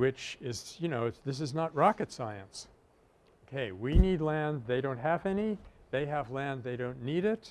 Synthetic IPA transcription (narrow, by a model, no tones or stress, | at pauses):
wɪt͡ʃɪzjɨnoʊɨðɪs̬ɨznət̚ɹɑkɨtsaɪɨ̰̃ns | oʊkʰeɪwinidˡlæ̃nðeɪɾõʊ̃nt̚ɦɨvɛniðeɪəvlæ̃nðeɪɾõʊ̃nːiɾɪt̚